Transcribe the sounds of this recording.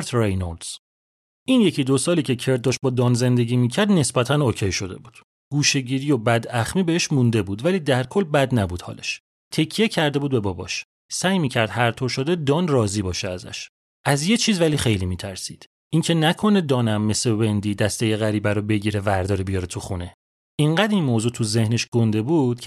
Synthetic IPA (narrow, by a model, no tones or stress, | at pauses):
ɾt̪ʰrejnold̪z̥ | ʔinje̞cʰid̪osɒːliːcʰe̞cʰe̞ɾt̪̚d̪ɒʃt̪̚bɒːd̪ɒːnze̞nd̪e̞ɟiːmiːcʰæɾd̪ne̞sbæt̪ʰænoːcʰejʃo̞d̪e̞̰buːd̪̥ | ɡ̥uːʃeɟiːɾijobæd̪æχmiːbeeʃmund̪e̞buːd̪væliːd̪æɾkʰo̞lbæd̪næbuːd̪̥hɒ̰ːlḛʃ | t̪ʰe̞cʰːije̞cʰæɾd̪e̞buːd̪̚be̞bɒbɒ̰ʃ | sæːjmiːcʰæɾd̪hæɾt̪ʰoɾʃo̞d̪ed̪ɒːnrɒːziːbɒːʃeæzæ̰ʃ | ʔæzje̞t͡ʃʰiːzvæliːχe̞jlimiːt̪ʰæɾsiːd̪̥ | ʔincʰe̞nækʰo̞ned̪ɒːnæmːesebe̞nd̪iːd̪æst̪ejeɣæɾiːbæɾobe̞ɟiːɾevæɾd̪ɒːɾebijɒɾet̪ʰuxune̞ | ʔiɴɢæd̪inmoːzuːt̪ʰuze̞hne̞ʃɡ̥o̞nd̪e̞buːd̪̥cʰ